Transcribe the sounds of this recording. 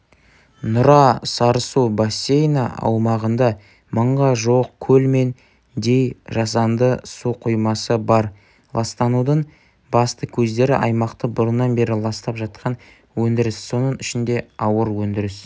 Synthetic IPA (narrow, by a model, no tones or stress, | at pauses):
nʊɾɑsɑɾsubasʲːe̞jnɑɑ̰wmɑʁənd̪ɑ | məɴʁɑʒoq̚kʲʰɵlme̞n | d̪e̞jʒɑsɑnd̪əsuqʰujmɑsəbɑɾ | lˠɑst̪ɑnud̪əɴ | bɑst̪əkʲʰɵzd̪e̞ɾɪʔɑjmɑqt̪əbʊɾənːɑnbe̞ɾɪlˠɑst̪ɑpʒɑt̪̚qʰɑn | wɵnd̪ɪɾɪsːo̞nəɴɪʃɪnd̪e̞ɑwəɾwɵnd̪ɪɾɪs